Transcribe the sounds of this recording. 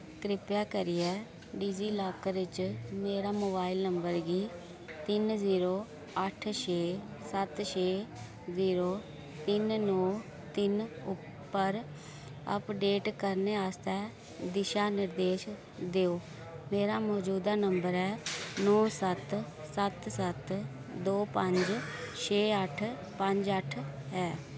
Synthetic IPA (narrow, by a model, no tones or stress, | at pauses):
kɾɪpjaːkəɾiːɛː | ɖiːziːlaːkɾɪt͡ʃmeːɾaːmoːbaːilnəmbəɾɡiː | t̪ɪnziːɾoː | əʈʰʃeː | sət̪ʃʰeː | ziːɾoː | t̪ɪnnɔː | t̪ɪnʊ | pːəɾ | ə̰pɖeːʈkəɾneːaːst̪ɛː | d̪ɪʃaːnɪɾd̪eːʃ | d̪eːoː | meːɾaːmɔːd͡ʒuːd̪aːnəmbəɾɛːnɔːsət̪ | sət̪sət̪ | d̪oːpəɲd͡ʒt͡ʃʰeːəʈʰ | pəɲd͡ʒəʈʰɦɛː